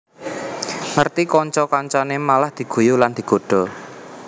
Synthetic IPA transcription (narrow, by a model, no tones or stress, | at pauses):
ŋərt̪ikɔɲt͡ʃɔkɔɲt͡ʃɔnemalahd̪̥i̤ɡ̥ṳjuland̪̥i̤ɡ̥o̤ɖ̥ɔ̤